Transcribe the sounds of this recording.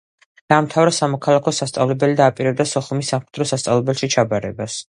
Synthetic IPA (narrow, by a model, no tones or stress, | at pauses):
d̪̥aːmt̪ʰavɾɛsamɔkʰalˠakʰɔsast̪sʼavlɛbɛlid̪aːpʼiɾɛb̚d̪asɔχumisːamχɛd̪ɾɔsast̪sʼa̰lˠɛbɛlʃit͡ʃʰabaɾɛbas